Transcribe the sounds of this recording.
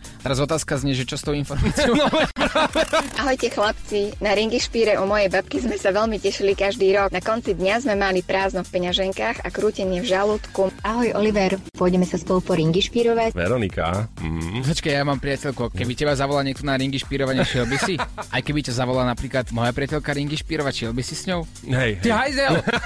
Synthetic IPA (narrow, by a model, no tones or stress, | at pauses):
t̪ɛɾazɔt̪aːskazɲɛʒɛt͡ʃɔst̪ɔʊinfɔɾmaːt͡sɪɔ | ʔaɦɔjcɛxlapt͡sinaɾiŋɡiʃpiːɾɛʔɔmɔjɛjbap̚kizmɛsaʋɛlmicɛʃilikaʒd̪iːɾɔknakɔnt͡sid̪ɲazmɛmalipɾaːznɔfpɛɲaʒɛŋkaːɣa̰kɾuːcɛɲɪɛvʒaluːt̪kuaɦɔjʔɔliʋɛɾpʊɔɟɛmɛsaspɔlupɔɾiŋɡiʃpiːɾɔʋacʋɛ̰ɾɔnika̰m̩ɔt͡ʃkajamaːmpɾɪacɛʎkukɛbicɛbazaʋɔlaːɲɪɛk̚t̪ɔnaɾiŋɡiʃpiːɾɔʋaɲɛʃɪɛlbisiʔajkɛbicazaʋɔlaːnapɾiːklat̪mɔjapɾɪacɛʎkaɾiŋɡiʃpiːɾɔʋacʃjɛlbisisɲɔʊ | ɦɛj̪ɦajzɛl